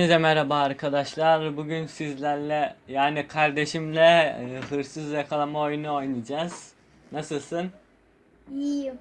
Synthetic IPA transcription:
nzɛmɛɾabaːɾkʰad̪aʃlˠaɾbuɟynsizlʲæɾlʲɛjaːnikʰaɾd̪e̞ʃimlʲɛɦɯɾsɯzjakʰalˠamaojunuo̞jnɯd͡ʒaz̥ | nasɯlˠsɯn | i

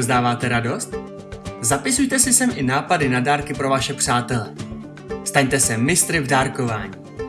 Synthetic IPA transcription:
zdaːvaːt̪ɛɾado̞st̪ | zapɪsujt̪ɛsɪsɛmʔɪnaːpadɪnadaːɾkɪpɾo̞vaʃɛpr̝̥aːt̪ɛlɛ̰ | st̪aɲt̪ɛsɛmɪst̪ɾɪvdaːɾko̞va̰ːɲiː

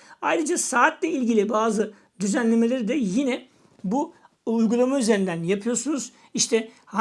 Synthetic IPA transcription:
ajɾɯd͡ʒasaːt̪lʲɛilʲɟilʲibaːzɯ | d̪yzænlʲe̞me̞lʲeɾid̪ɛjinɛ | buː | jɡulˠamayze̞ɾind̪ænjapʰɯjo̞ɾsunuz̥ | iʃt̪ʰɛha

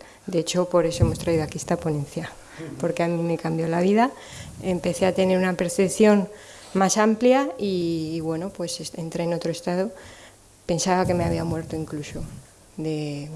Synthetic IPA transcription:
d̪e̞et͡ʃo̞po̞ɾe̞so̞e̞mo̞st̪ɾaiðo̞akiest̪apo̞nẽ̞nθja | po̞ɾke̞amĩme̞kambjo̞laβ̞iða | empe̞θe̞at̪e̞ne̞ɾunape̞ɾθe̞pθjo̞n | masampljaiːβwe̞no̞pwe̞sese̞nt̪ɾe̞ːno̞t̪ɾoe̞st̪að̞o | pe̞nsaβake̞me̞aβiamwe̞ɾt̪oiŋkluso̞ | ðe̞

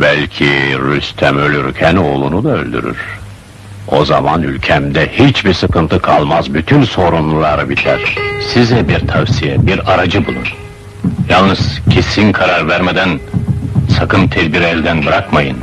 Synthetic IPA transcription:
bælʲcʰiɾyst̪ʰæmølʲyɾcʰæno̞ːlˠunud̪aø̰lʲd̪y̰ɾy̰ɾ̥ | o̞za̰ma̰nylʲcʰɛmd̪ɛhit͡ʃbiɾsɯkʰɯnt̪ʰɯkʰalˠmazbyt̪ʰynso̞ɾunlˠulˠaɾɯbilʲːæ̰ɾ̥sizɛbiɾt̪ʰavsijɛbiɾaɾad͡ʒɯbulˠṵn | jalˠnɯz̥cʰesinkʰaɾaɾvæɾmed̪æn | sakʰɯmt̪ʰɛd̪biɾɛlʲd̪ænbɯɾakmajɯn

